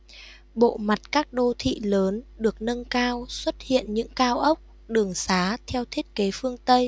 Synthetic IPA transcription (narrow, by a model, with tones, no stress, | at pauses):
ɓo̰˧˨ma˨˩t̚kaː˦˥k̚ɗo˧t̪ʰḭ˧˨ləː˨˦nɗɨ˨˩ək̚nə˧nkaː˧wswə˦˥t̚hḭ˧˨ənɲɨ̰˧˥ŋkaː˧wʔə˦˥wk͡p̚ | ɗɨ˨˩əŋsaː˨˦t̪ʰɛ˧wt̪ʰi˦˥ət̚ke˨˦fɨ˧əŋt̪ə˧j